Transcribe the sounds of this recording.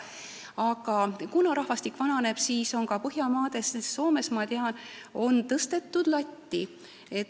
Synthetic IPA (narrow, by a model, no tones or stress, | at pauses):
ɑɡ̥ɑkunɑɾɑhvɑst̪ikːvɑnɑne̞b̥siːso̞ŋkɑpɤɦjɑmɑːd̪̥e̞sesːo̞ːme̞smɑt̪eɑno̞nt̪ɤst̪e̞t̪ːˑud̪̥lɑtʲːi | e̞t̪